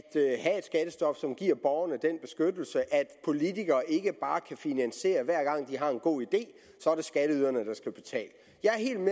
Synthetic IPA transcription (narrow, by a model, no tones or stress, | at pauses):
d̥ɦæe̝d̥sɡ̥æd̥əsd̥ɒ̽fsɒ̽mɡ̥iɐ̰b̥ɒʊɐnəd̥enb̥e̝sɡ̥ød̥l̩səʔæd̥pʰo̝lit͡sʰiɡ̥ɐːʔe̝ɡ̥əb̥ɑ̈ːkʰæfinænse̝̰ːɐʋæɐ̰ɡ̥ɑ̈ŋ̰d̥iɦɑ̈e̝nɡ̥o̝̰ːid̥e̝̰ː | sɒ̽æɐd̥e̝sɡ̥æɾ̥əyðˠɐnəd̥ɑ̈sɡ̥æb̥e̝t͡sʰɛ̰ːlə | jɑ̈ɪæɐɦe̝̰ːld̥me